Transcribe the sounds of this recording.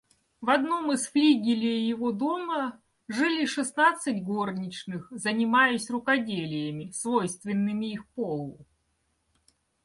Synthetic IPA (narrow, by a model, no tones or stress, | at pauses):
vɐd̪no̞mɨsfɾʲiɡʲɪlʲɪjjɪvod̪o̞mə | ʐɨlʲɪʂɨsnat̪sɨtʲɡo̞rnʲɪt͡ɕnɨxzənʲɪmajʊsʲrʊkɐdʲelʲɪjəmʲɪsvo̞jst̪vʲɪnːɨmʲɪixpolˠʊ